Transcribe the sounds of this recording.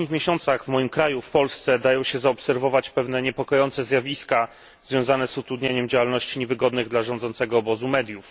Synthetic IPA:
ɲixmʲjeɕɔnt̪saɣvmɔjimkɾajufpɔlst̪sɛd̪ajɔ̃w̃ɕɛzaɔpsɛɾvɔvat͡ɕpɛvnɛɲɛpɔkɔjɔnt̪sɛzʲjavʲiska | z̥vʲjɔ̃w̃zanɛzut̪ɾud̪ɲaɲɛmd͡ʑawalnɔɕt͡ɕiɲɛvɘɡɔd̪nɘɣd̪laʐɔnd̪zɔnt̪sɛɡɔːbɔzumɛd̪ʲjuf

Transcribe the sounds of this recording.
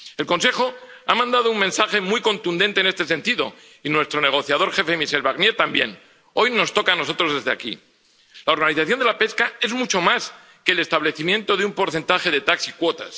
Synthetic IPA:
e̞lko̞nse̞xo̞amãnd̪að̞ouŋmensaxe̞mujko̞nt̪und̪e̞nt̪ene̞st̪e̞se̞nt̪iðo̞̰ | inwe̞st̪ɾo̞ne̞ɣ̞o̞θjað̞o̞ɾxe̞femiʃe̞lβaɣnje̞t̪ambje̞̰n | ojno̞st̪o̞kaːno̞so̞t̪ɾo̞zðe̞zðea̰kḭ | lao̞ɾɣaniθaθjo̞nd̪elape̞skae̞zmut͡ʃo̞mas | ke̞ːle̞st̪aβle̞θimjẽ̞nt̪o̞ðeumpo̞ɾθe̞nt̪axe̞ðe̞t̪aksikwo̞t̪as

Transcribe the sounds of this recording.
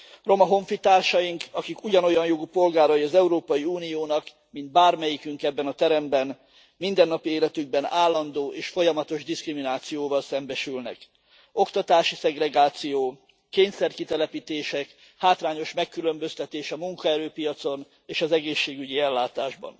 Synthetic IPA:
ro̞mɒɦo̞ɱfit̪aːrʃɒjiŋkɒkikuɟɒno̞jɒnjoɡupo̞lɡaːɾɒjiɒzɛuɾoːpɒjiuːnijoːnɒk | mind̪̚baːrmɛjikyŋkɛbːɛnɒt̪ɛɾɛmbɛn | mind̪ɛnːɒpieːlɛt̪yɡ̚bɛnaːlːɒnd̪oːʔeːʃfo̞jɒmɒt̪o̞ʒd̪iskriminaːt̪sijoːvɒlsɛmbɛʃylnɛ̰k | o̞kt̪ɒt̪aːʃisɛɡrɛɡaːt̪sijoː | kːeːɲsɛrkit̪ɛlɛpit̪eːʃɛk | haːt̪raːɲo̞ʃmɛkːylø̞mbø̞st̪ɛt̪eːʃɒmuŋkɒɛɾøːpijɒt̪so̞n | eːʃɒzɛɡeːʃːeːɡyɟiɛlːaːt̪aːʒbɒ̰n

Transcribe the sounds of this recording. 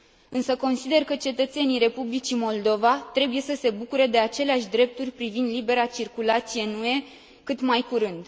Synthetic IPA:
ɨnsəko̞nsid̪e̞rkət͡ʃe̞t̪ət̪se̞nijɾe̞publit͡ʃimo̞ld̪o̞vat̪ɾe̞buje̞səse̞bukuɾed̪e̞at͡ʃe̞leaʃʲd̪ɾe̞p̚t̪urʲpɾivind̪libe̞ɾat͡ʃirkulat̪sije̞nue̞ | kɨt̪majkuɾɨnd̪

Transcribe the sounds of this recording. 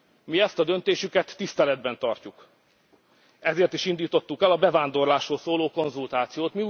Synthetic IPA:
miɛst̪ɒd̪ø̞nt̪eːʃykɛt̪ːist̪ɛlɛd̪bɛn̪t̪ɒrcuk | ɛzeːrt̪iʃind̪iːt̪o̞t̪ːukɛlɒbɛvaːnd̪o̞rlaːʃroːlsoːloːko̞nzult̪aːt̪sijoːt̪miu

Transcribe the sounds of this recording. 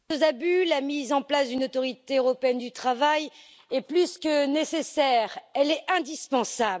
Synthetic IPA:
əzabylamizɑ̃plasd̪ynot̪ɔʁit̪eøʁɔpeɛnd̪yt̪χavaj | ɛplyskənesesɛʁɛlɛɛ̃d̪ispɑ̃sab

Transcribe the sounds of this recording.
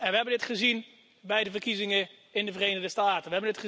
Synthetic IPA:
ɛnʋəɦɛbəndɪtχəzin | bɛjdəvərkizɪŋə | ɪndəvərejnəʁdəstaːtənʋəɦɛbəndɪtχə

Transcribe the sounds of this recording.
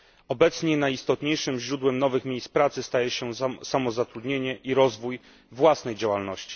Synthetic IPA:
ɔbɛt̪sɲɛnajist̪ɔt̪ɲejʂɘmʑɾud̪wɛmnɔvɘxmʲejst̪pɾat̪sɘst̪ajɛɕɛsamɔzat̪ɾud̪ɲeɲɛʔiɾɔzvuj | vwasnɛjd͡ʑawalnɔɕt͡ɕi̥

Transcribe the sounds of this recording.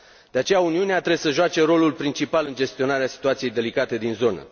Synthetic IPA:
d̪̥e̞at͡ʃe̞jauniuneat̪ɾebesəʒoat͡ʃe̞ɾo̞lulpɾint͡ʃipalɨnd͡ʒe̞st̪io̞naɾeasi̥t̪uat̪sije̞jd̪e̞likat̪e̞d̪inzo̞nə̰

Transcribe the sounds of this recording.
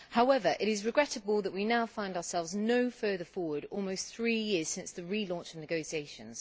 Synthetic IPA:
haʊɛvəɹʔɪɾɪzɹɪɡɹɛtəbəlˠðəʔwinaʊfãɪ̃ndəəsɛlˠvznəʊfɜːðəfɔːwədɔːlˠməʊsθɹiːjɪəz̥sɪ̃nsðəɹilɔ̃ˑnt͡ʃəvnɪɡəʊsieɪʃə̃nz̥

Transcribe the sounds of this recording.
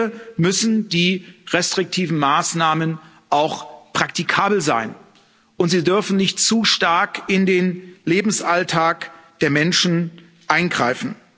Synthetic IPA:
əmʏsn̩diːʁɛstʁ̥ɪk̚tʰiːvn̩maːsnaːmən | ʔaʊxpʁ̥ak̚tikʰaːbl̩zaɪn | ʔʊntz̥iːdʏɐfn̩nɪçtt͡suːʃtaɐkɪndeːnleːbm̩sʔaltʰaːkd̥eːɐmɛnʃn̩ | ʔaɪnɡʁaɪfn̩

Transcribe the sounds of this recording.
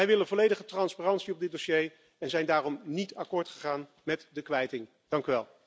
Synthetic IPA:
ɛjʋɪlənvɔlejdəχətrɑnspaːrɑntsiɔb̚dɪt̚dosej | ɛnzɛjndaːrɔmnitɑkʊːɹtχəχaːn | mɛtdəkʋɛjtɪŋ | d̥ɑŋkyʋɛlˠ

